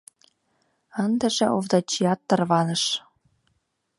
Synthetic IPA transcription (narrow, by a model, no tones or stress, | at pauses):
ənd̪ə̆ʒĕʔovd̪ɑt͡ɕijɑt̪ːɤ̆rβɑnɤ̆ʃ